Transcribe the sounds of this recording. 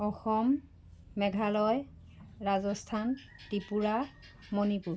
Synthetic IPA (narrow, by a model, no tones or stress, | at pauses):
ɔxɔmː | ɛɡʱalɔj | ɹazɔstʰan | tipuɹa | monipuɹ